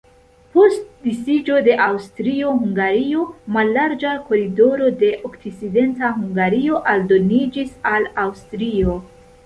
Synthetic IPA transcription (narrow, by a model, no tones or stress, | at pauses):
po̞st̚disid͡ʒo̞de̞ʔawstɾio̞ɦuŋɡaɾio̞malːaɾd͡ʒako̞ɾido̞ɾo̞de̞ʔokt͡sit͡side̞ntaɦuŋɡaɾio̞ʔaldo̞nid͡ʒisalawstɾio̞